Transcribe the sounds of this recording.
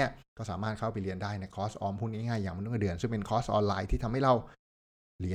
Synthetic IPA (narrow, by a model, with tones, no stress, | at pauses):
ɐkɔː˥˩saː˩˦maː˥˩t̪̚kʰa˥˩wpa˧jli˧əndaː˥˩jna˧jkʰɔː˦˥sʔɔː˧mpʰu˥˩ŋniː˥˩ŋaː˥˩jːaː˨˩ŋma˧n˥˩kdɯ˨˩ənsɯ˥˩ŋpe˧nkʰɔː˦˥sʔɔː˧nlaː˧jt̪ʰiː˥˩t̪ʰa˧mha˥˩jɾa˧w | li˩˦